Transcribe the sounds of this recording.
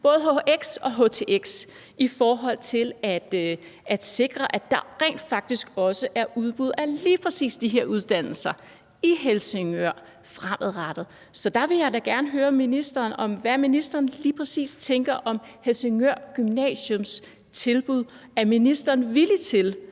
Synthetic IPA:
b̥ɔ̽ːð̞ˠɦoʔeɡ̥sɒ̽ɦo̰t͡sʰe̝ːʔeɡ̥s | ifɒːɦɒ̽l̰t͡sʰe̝læd̥ | æd̥se̝ɡ̥ʁɐʔæd̥ɑ̈ʁɛ̰ːnd̥fɑ̈ɡ̥̚d̥isɡ̥ɒ̽səʔæɐʔuðˠb̥uð̞̰ˠæliːpʰʁɛsḭːsd̥iɦe̝ɐuð̞ˠd̥æn̰l̩sɐ | iɦelseŋøɐ̰ | fʁamʔəð̩ˠʁɑd̥ð̩ˠ | sɒ̽d̥ɑ̈ʋe̝jɑ̈ɪdæɡ̥æɐnəɦøːɐminisd̥ɐːnɒ̽mʋæminisd̥ɐːn̩liːpʰʁɛsḭːst͡sʰeŋɡ̥ɐʔɒ̽m | helse̝ŋøɐ̰ɡ̥ymnɛ̰ːɕɔms | t͡sʰe̝lb̥uð̞̰ˠ | æɐminisd̥ɐːnʋilit͡sʰe̝l

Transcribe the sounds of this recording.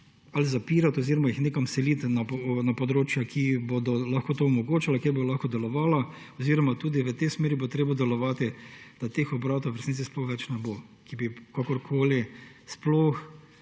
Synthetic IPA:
alizapiːɾat̪ɔziːɾɔmajixneːkamsɛliːt̪napnapɔd̪ɾoːt͡ʃjakʰibod̪ɔlaxkot̪oɔmɔɡoːt͡ʃalakjeɾbolaxkɔd̪ɛlɔʋaːla | ɔziːɾɔmat̪uːd̪iʋət̪esmeːɾibot̪ɾeːbad̪ɛlɔʋaːt̪id̪̥at̪eːxɔbɾat̪oʋəɾsniːtt͡s̪isplɔxʋɛt͡ʃnɛbokibikakɔɾkʰoːlisploːx

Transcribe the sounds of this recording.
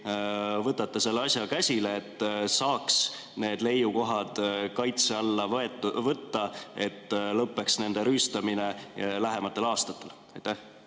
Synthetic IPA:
vɤt̪ːɑt̪ˑːɑse̞lːeɑsʲjɑkæsʲileːt̪ːˑsɑːks | ne̞ːd̪le̞juko̞ɦɑd̪̥kɑjt̪se̞ɑlːɑevɤt̪ːɑe̞t̪ːlɤpːe̞ksne̞nd̪eɾyːst̪ɑminelæɦe̞mɑt̪ˑːe̞lɑːst̪ɑt̪ːˑe̞l | ɑjt̪ːæh

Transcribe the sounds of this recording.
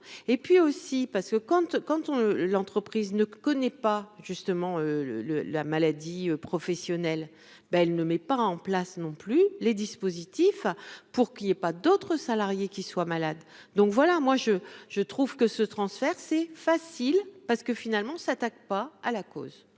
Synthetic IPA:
epɥiosipaʁsə̥kəkɑ̃t̪kɑ̃t̪lɑ̃t̪χəpχiznəkɔnɛpaʒ̥yst̪əmɑ̃øl̰ləlamalad̪iøpχɔfɛsjɔnɛl | baɛlnəmɛpaɑ̃plasnɔ̃plyled̪ispozit̪ifpuʁkiljepad̪ot̪χəsalaʁjekʲiswamalad̪ːɔ̃kvwalamwaʒəʒ̥ət̪χuvkəsət̪χɑ̃sfɛʁsɛfasilpaʁsə̥kəfinalmɑ̃sat̪ak̚paalako̰z

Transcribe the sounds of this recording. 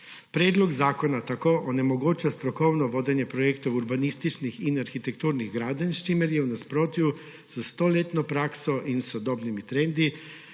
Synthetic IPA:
pɾeːd̪lɔɡzaːkonat̪akoːʔonɛmoɡoːt͡ʃast̪ɾɔkownɔʋoːd̪ɛnjɛpɾojekt̪owuɾbanist̪it͡ʃnixinaɾxit̪ɛkt̪uːɾniɣɡɾaːd̪anst͡ʃimɛɾjɛunaspɾoːt̪ju | səst̪oːlet̪nopɾaːksoʔinsod̪oːbnimit̪ɾend̪i

